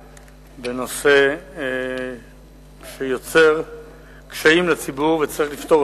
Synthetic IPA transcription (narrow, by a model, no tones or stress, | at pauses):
beno̞se | ʃejo̞t͡se̞ʁ | kʃaimlat͡sibuʁvet͡saʁiχlift̪oʁ